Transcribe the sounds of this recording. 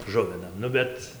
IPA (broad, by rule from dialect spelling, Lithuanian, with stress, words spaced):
ˈʒʊʋʲɪnɐm ˈnʊ bʲɛt